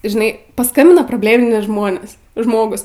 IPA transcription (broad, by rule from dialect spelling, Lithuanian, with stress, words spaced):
ʒʲɪˈnɐɪ pɐˈskɐmʲbʲɪnɐ proːbʲˈlʲeːmʲɪnʲɛɪ ˈʒmoːnʲeːs ˈʒmoːɡʊs